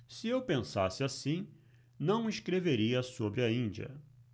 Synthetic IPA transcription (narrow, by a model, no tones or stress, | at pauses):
sɪewpẽsa̰sɪasĩ | nɐ̃w̃iskɾeveɾiɐsobɾɪɐĩd͡ʒiɐ̰